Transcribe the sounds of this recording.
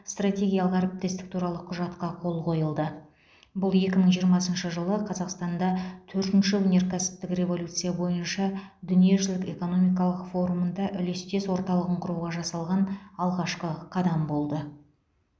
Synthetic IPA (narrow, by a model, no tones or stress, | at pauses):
st̪rat̪ʲe̞ɡʲijalˠəqæɾep̚t̪est̪ɪk̚t̪ʰuɾɑlˠəqʰʊʒɑt̪qɑqʰo̞lˠqo̞jəlˠd̪ə | bʊlˠe̞kʲɪməɴʒijəɾmɑsənʃəʒəlˠəqʰɑzɑqst̪ɑnd̪ɑt̪ʰɵɾt̪ɪnʃɪwɵnʲe̞ɾkʲʰæsɪ̥p̚t̪ɪkɾʲe̞vo̞lʲut̪sɨijabo̞jənʃɑd̪ʏnije̞ʒɪlɪke̞ko̞no̞mijk̬ɑlˠəqfo̞ɾumənd̪ɑʔʏle̞st̪e̞swo̞ɾt̪ɑlˠəʁəɴqʰʊɾuwʁɑʒɑsɑlˠʁɑnɑlˠʁɑʃqəqʰɑd̪ɑmbo̞lˠd̪ə